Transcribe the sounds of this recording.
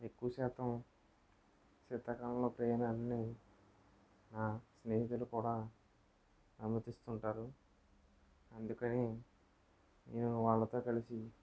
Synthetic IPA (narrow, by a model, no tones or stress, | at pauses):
e̞kːuʋɐʃɛːt̪ɐm | t͡ʃit̪ːɐkɐlɐlo̞ːpɾeːnɐnːi | naːsneːɦit̪̬ulukuːɽaː | ɐnmɐt̪ist̪uɳʈaːɾu | ɐnd̪ukɐni | nḛːnuʋaːɭːɐt̪o̞ːkɐlisi